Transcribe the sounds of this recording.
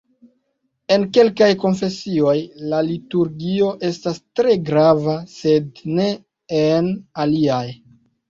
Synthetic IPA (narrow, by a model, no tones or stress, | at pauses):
e̞nke̞lkajko̞nfe̞sio̞jlalituɾɡio̞ʔe̞stastɾe̞ɡɾavase̞dne̞ː | naliaj